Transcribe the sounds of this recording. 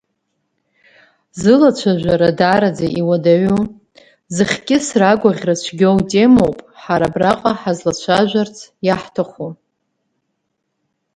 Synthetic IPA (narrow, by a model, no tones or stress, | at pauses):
zɨlat͡ɕt͡ʃʷʰaʒʷᶣaɾadaɾad͡zaʔiwadaɥu | zɨχʲkʲʼɪsraɡʷaʁʲrat͡ʃʷʰɡʲowtʼe̞mowpʼħaɾabraqʼaħazlat͡ɕʷʰaʒʷart͡sʰjaħtʰaχu